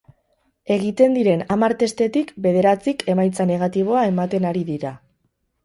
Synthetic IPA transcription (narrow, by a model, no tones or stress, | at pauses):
e̞ɣ̞it̪e̞nd̪iɾe̞namaɾt̪e̞st̪e̞t̪ikbe̞ðe̞ɾat͡sikʰe̞majt͡sane̞ɣ̞at̪iβ̞o̞ae̞mat̪e̞naɾiðiɾa